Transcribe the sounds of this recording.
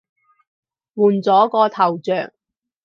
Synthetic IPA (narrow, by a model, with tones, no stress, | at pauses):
wuː˨˩nt͡sɔː˨˥kɔː˧t̪ʰɐ˨˩wt͡ʃœː˨ŋ